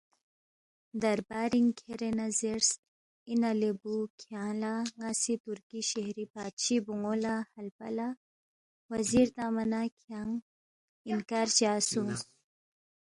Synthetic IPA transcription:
d̪aɾbaɾiŋkʰeɾenazeɾs | inalebukʰjaːlaŋasit̪ʊɾkiʃehɾipaːt̪ʃibuŋolahalpa̰la | waziɾd̪aːmanakʰiaŋ | ɪŋkaɾt͡ʃaːsun

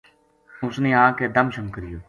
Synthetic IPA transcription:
ʊsneːãːkeːd̪əmʃəmkəɾɪjoː

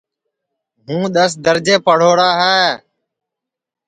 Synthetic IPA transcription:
ɦũːɗ̪əsd̪əɾd͡ʒeːpəɽ̤oːɾaːɦɛː

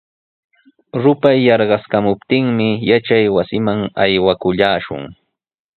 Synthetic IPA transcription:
ɾʊpajːɑɾɢɑskamʊpt̪ɪŋmɪjat͡ʃajwasɪmaŋajwakʊʎaːʃʊ̰ŋ

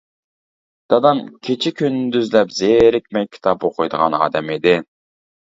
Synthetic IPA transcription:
d̪̥ɑd̪ɑmkʲʰet͡ʃʰikʲʰynd̪yzlɛpzeɾɪkʲmɛjʲkʲʰːi̥t̪ʰɑpoqʰʊjd̪əʁɑ̰nɑ̰ːd̪ɛmid̪ɪ

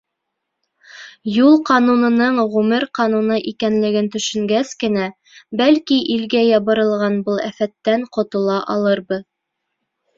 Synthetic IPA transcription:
julˠqɑnunɤ̆nɤɴʁʉmɘɾqɑnunɤʔikænlɘ̆ɡɘnt̪ɵ̆ʃɵ̆ŋɡæskɘ̆næ | bælkiʔilɡæjɑβɤ̆ɾɤ̆lˠʁɑnbɤlˠæfæt̪ːæɴqŏt̪ŏlˠɑʔɑlˠɤɾbɤ

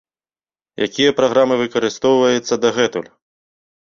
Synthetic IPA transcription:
ja̰kʲijɐpɾaɣɾamɨvɨkɐɾɨst̪ɔwvɐjɛt̪sːɐd̪ɐɣɛt̪ṵlʲ

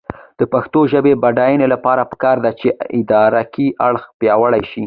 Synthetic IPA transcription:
d̪̥əpaxt̪oʒəbebaɖɑjənelapɑɾapə̥kɑɾd̪at͡ʃeɪd̪ɑɾakiʔaɽxpjɑwəɽajʃi

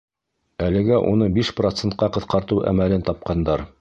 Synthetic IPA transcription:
ælɘ̆ɡæʔṵnɤbiʃprot̪sent̪̚qɑqɤ̆θqɑɾt̪ɤwʔæ̰mælɘnt̪ɑp̚qɑnd̪ɑɾ

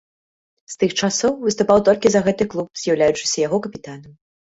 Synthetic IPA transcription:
st̪ɨxt͡ʂasɔwvɨst̪upawt̪ɔlʲkʲizɐɣɛt̪ɨklˠup̚z̥ʲjawlʲajut͡ʂɨ̥sʲɐjaɣɔkɐpʲit̪anɐm

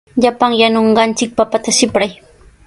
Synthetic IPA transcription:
ʎapaŋjanoɴɢɑnt͡ʃɪk̚papat̪aʃɪpɾaj

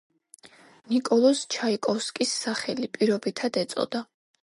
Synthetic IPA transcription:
nikʼɔlˠɔst͡ʃʰaikʼɔfskʼisːaχɛlipʼiɾɔbit̪ʰad̪ɛt̪sʼɔ̰d̪a

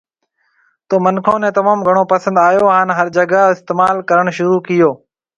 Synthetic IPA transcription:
t̪oːmənkʰõːnẽːt̪əmaːmɡʱəɳ̃oːpəsə̃nd̪aːjoːɦaːnɦəɾd͡ʒəɡəɪst̪eːmaːlkəɾəɳ̃ʃʊɾuːkɪjoː

